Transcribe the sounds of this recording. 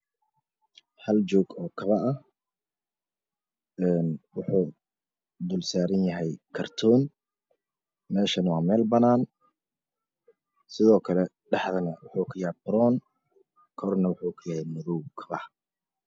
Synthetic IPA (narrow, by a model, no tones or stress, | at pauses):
hɐlt͡ʃɔːɡɔːkʰɐβɐʔɐh | ɛːnwʊħuː | d̪ʊlsaːɾɐnjɐɦɛjkʰɐrt̪ʰɔːn | mɛːʃɐnwɑːmɛːlbɐnaːn | sɪðɔːkʰɐlɛ | ɖɑħðɐnɐwʊħuːkʰʊjbɾɔːn | kʰɔrnɐwʊħuːkʰʊjɐhɛjmʊðɔwkʰɐβɐh